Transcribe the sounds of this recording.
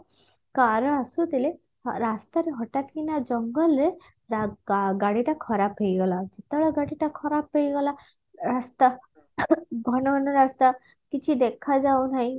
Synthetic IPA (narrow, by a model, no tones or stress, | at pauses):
kaɾɔasut̪ile | ɾast̪aɾeɦɔʈat̪kinad͡ʒɔŋɡɔlɾe | ɾaɡaɽiʈakʰɔɾapɦejɡɔlad͡ʒet̪ɭɔɡaɽiʈakʰɔɾap̚ɦejɡɔla | ɾast̪a | ɡʱɔnɔɔnɔɾast̪a | kit͡ʃʰid̪ekʰad͡ʒawnʰaɦĩ